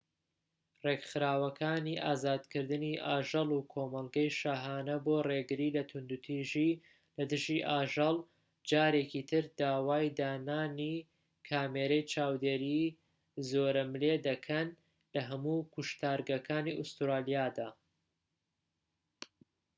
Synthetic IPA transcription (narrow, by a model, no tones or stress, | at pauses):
reɡxɨɾaːwɐkʰaːniʔaːzaːd̪kʰɨɾd̪ɨniʔaːʒɐlˠukʰoːmɐlˠɡɐjʃaːɦaːnɐboːreɡɨɾiːlɐt̪ʰʊnd̪ut̪ʰiʒi | lɐd̪ɨʒiʔaːʒɐlˠ | d͡ʒaːɾekit̪ʰɨɾd̪aːwaːjd̪aːnaːni | kʰaːmeːɾɐjt͡ʃʰaːwd̪eɾi | zoːɾɐmled̪ɐkʰɐn | lɐɦɐmuːkʰʊʃt̪aːɾɡɐkʰaːniʔʊst̪ɾaːlijaːd̪aː